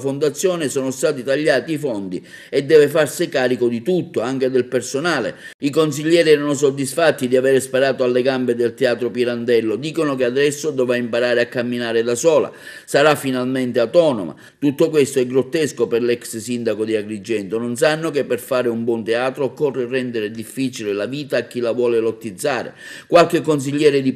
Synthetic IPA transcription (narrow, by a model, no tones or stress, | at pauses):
fond̪at̪sːjɔːnɪsɔːnost̪aːt̪it̪aʎːaːt̪iːfɔnd̪ḭ | ɛd̪ːɛːvefarsikaːɾikod̪it̪ut̪ːoaŋk̟ed̪ɪlpersonaːlḛikons̬iʎːɛːɾiɛːɾanʊs̬od̪ːisfat̪ːid̪iavɛːɾespaɾaːt̪oalːeɡambed̪elt̪eaːt̪ɾopiɾand̪ɛlːod̪iːkonokead̪ɛsːod̪ɔvaimpaɾaːɾeakːamːinaːɾɪd̪asɔːla̰ | saɾafːinalment̪eawt̪ɔːno̰ma̰ | t̪ut̪ːokwest̪oɛɡɾot̪ːɛskoperlɛkssind̪akod̪iaɡɾid͡ʒːɛnt̪ʊnons̬anːokepːerfaːɾɪumbwɔnt̪eaːt̪ɾoːkɔrːerːɛnd̪eɾɪd̪ifːiːt͡ʃilɪlaviːt̪aːk̟ːilavwɔːlelot̪ːid̪zːaːɾḛkwalk̟ɪkːons̬iʎːɛːɾɪd̪i